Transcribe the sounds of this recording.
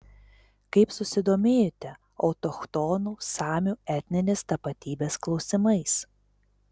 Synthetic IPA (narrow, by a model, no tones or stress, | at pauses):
kɐɪpsʊsʲɪd̪oːmʲeːjot̪ʲɛ | ɒʊt̪ɔxt̪ɔnuːsɑːmʲuːɛt̪ʲnʲɪnʲest̪ɐpɐt̪ʲiːbʲeːsklˠɒʊsʲɪmɐɪs